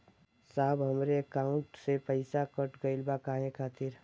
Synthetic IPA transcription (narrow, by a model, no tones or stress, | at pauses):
saːbɦəmɾeəkaːʊ̃ɳʈsepəɪsakəʈɡəɪlbakaːɦẽkʰaːt̪ɪɾ